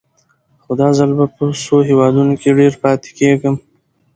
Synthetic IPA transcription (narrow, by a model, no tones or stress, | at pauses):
xod̪ɑzalbapəsoɦewɑd̪unokeɖeɾpɑt̪e̥keɡəm